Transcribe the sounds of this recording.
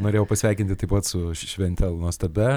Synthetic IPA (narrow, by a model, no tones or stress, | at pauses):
noːɾejɛʊpɐsʲʋʲæɪkʲɪnt̪ʲɪt̪ɐɪpɐt̪sʊʃʲʋʲɛnʲt̪ʲɛlˠnuɔst̪ɐbʲɛ